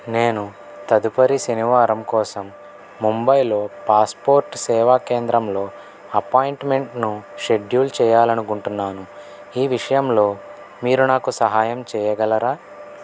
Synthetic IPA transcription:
neːnu | t̪ɐd̪upɐɾisɐniʋaːɾɐmkɔːsɐmː | umbɐjlo̞ːpaːspoːɾʈsɛːʋaːkeːnd̪ɾɐmlo̞ː | ɐpaːjiɳʈme̞ɳʈnuʃe̞ɖjuːlt͡ʃɛːjaːlɐnukuɳʈunːaːnu | iːʋiʂɐjɐmlo̞ː | miːɾunaːkusɐɦaːjɐmt͡ʃɛːjɐɡɐlɐɾaː

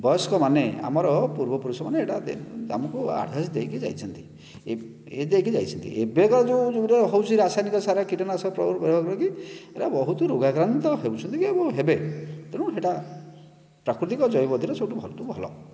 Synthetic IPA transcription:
bɔskɔmanea̰mɔɾɔpuɾbɔpuɾusɔmaneːʈad̪̰a̰mɔkua̰ɽʱasid̪ekʰid͡ʒa̰jt͡ʃʰɔnt̪i̥ | e | ed̪ekid͡ʒajt͡ʃʰɔnt̪ḭʔebekɔɾd͡ʒud͡ʒuɾeɦowt͡ʃʰiɾasajnikɔsaɾakiʈɔnasɔpɾɔɾbɔɾibɔkɔɾɔkieʈabɔɦut̪uɾoɡaɡɾant̪ɔɦewt͡ʃʰɔnt̪ikiebɔɦebet̪eɽ̃ũeʈa | pɾakɾut̪ikɔd͡ʒɔjbɔd̪ʱiɾesɔwʈubʱɔlt̪ubʱɔlɔ̰

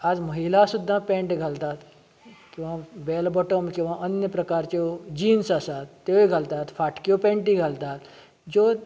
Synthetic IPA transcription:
ad͡zməɦilasud̪ʱːãpẽɳʈɡʱalt̪at̪ | kĩw̃ʋãbeːlbɔʈomkĩw̃ʋãʔənjəpɾəkaɾt͡ɕod͡ʑiːnsasat̪ːjeeɡʱalt̪at̪faʈkjopẽɳʈiɡʱalt̪aːt̪ | d͡ʑo

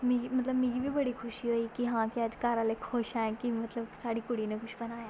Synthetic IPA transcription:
mẽimət̪ləbmẽːɡiːbiːbəɽiːkʰʊʃiːɦoːiːkɪɦãːkɪəd͡ʒkaːɾãleːkʰʊʃaːɛ̃ːkɪmət̪ləbsaːɽiːkʊɽiːnekʰʊʃʰbənaːeː

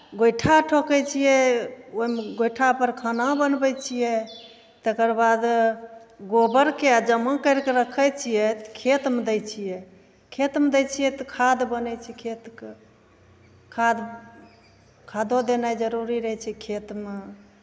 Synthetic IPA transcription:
ɡojʈʰaʈʰokɛt͡ʃʰijɛoimeɡojʈʰapəɾkʰanabənbɛjt͡ʃʰijɛ | t̪əkəɾbad̪ | ɡobəɾkead͡ʒəmakəɾkeɾəkʰət͡ʃʰijɛt̪kʰet̪med̪ɛjt͡ʃʰijɛ | kʰet̪med̪ɛt͡ʃʰijɛt̪kʰad̪bənɛjt͡ʃʰɛkʰet̪ke | kʰad̪ | kʰad̪od̪enajd͡ʒəɾuɾiɾəɦɛt͡ʃʰɛkʰet̪me

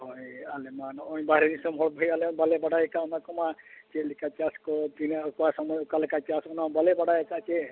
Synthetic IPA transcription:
ɦɔjalemanɔj̃baɾenisɔmɦɔɽbʱajaleanbalebaɽajekaɔnakɔmat͡ʃelikat͡ʃaskɔpinakɔasɔmɔjɔkalekat͡ʃasɔnabalebaɽajekat͡ʃe

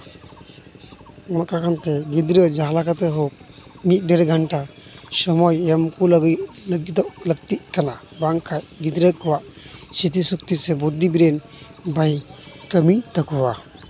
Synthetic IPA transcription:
makakʰant̪ɛɡid̪ɾəd͡ʒaɦlakat̪ɛɦɔp̚ | mit̪̚ˀdɛɾɡʱanʈasɔmɔjamkulɡ | ɡd̪ɔʔləɡ̚t̪iʔ̚kana | baŋkʰajɡid̪ɾəkʰɔwaʔsit̪isɔk̚t̪isɛbud̪ːibiɾɛn | bajkəmit̪əkʰɔwa

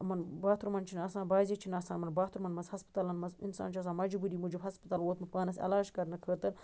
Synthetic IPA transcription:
mɐnbaːt̪uɾmɐnt͡ʃʰinaːsãːnbaːzit͡ʃʰinaːsãːmɐnbaːt̪ʰuɾmɐnmɐzhɐspɐ̥t̪alɐnmɐzinsa̰ːnt͡ʃʰɐs̬ãːmɐd͡ʒubuɾiːmud͡ʒubɦɐspɐt̪aːlwoːt̪mɨpaːnɐsɐ̰laːʃkɐɾnɐkʰəːɾt̪ɐɾ

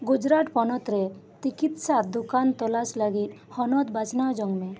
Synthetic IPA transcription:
ɡud͡ʒɾaʈpɔnɔt̪ɾɛ | t͡ʃikit̪sad̪ukant̪ɔlaslaɡit̪̚hɔnɔd̪bat͡ʃnawd͡ʒɔŋme

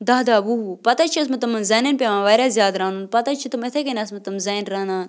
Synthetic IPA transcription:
d̪aːd̪aːʋuɦupɐt̪aːt͡ʃʰiɐs̬mɐt̪ɐmɐnzɐːnɐnpʲeʋãːʋɐːɾazjaːd̪ɾãːnunpɐt̪at͡ʃʰit̪umet̪ʰekenʲɐs̬mɐt̪ɐmzɐːjnɾɐnaːn

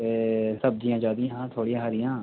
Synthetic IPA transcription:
esəb̚d̪ijãːd͡ʒaːd̪ijãːɦãːt̪ʰoːɽijãːɦəɾɪjãː

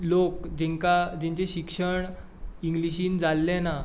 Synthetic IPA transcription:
lokd͡ʑɛ̃ŋkad͡ʑɛ̃ɲt͡ɕeɕikʂəɳ | iŋɡliɕiːnd͡zalːena

